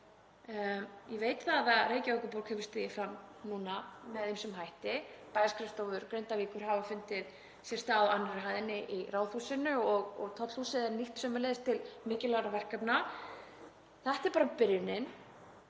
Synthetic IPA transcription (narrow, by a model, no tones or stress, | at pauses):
jɛveːjt̪vaððaðɾeːjcaokʏpowɾkhɛvʏ̥st̪ɪjɪfɾamnuːnamɛðemsɛmɦajht̪ɪpaːjaskɾɛft̪awvʏɾkɾejnt̪aviːkʏɾ̥havafʏnt̪ɪð̥ | sjɛrst̪aːwanːaɾɦaːjðɪnɪʔiraːwθusɪnʏɔɣɔɣt̪ʰɔt̪l̥husɪðɛɾniht̪sœmɪlɛðɪst̪ʰːɪlmɪːcɪlaɣɾavɛr̥kapna | θɛht̪ɛɾpaːɾapɪɾjʏnɪn